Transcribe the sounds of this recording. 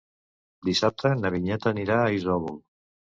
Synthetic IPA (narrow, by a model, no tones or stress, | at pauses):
d̪isap̚t̪ənəβiɲɛt̪əniɾaːizɔβul